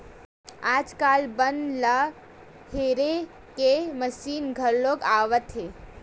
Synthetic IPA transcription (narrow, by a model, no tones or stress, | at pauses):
aːd͡ʒkaːlbənlə | heɾe | keməʃiːnɡʱəɾloːɡaːʋət̪ɦe